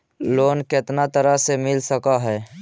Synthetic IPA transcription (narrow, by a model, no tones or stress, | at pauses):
loːnket̪nat̪əɾasemɪlsəkaɦɛː